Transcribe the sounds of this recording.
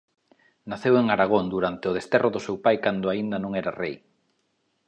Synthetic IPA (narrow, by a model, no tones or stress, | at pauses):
naθeweŋaɾaɣ̞ond̪uɾant̪eʊð̞est̪ɛroðʊsewpajkand̪ʊaind̪anõŋɛɾarej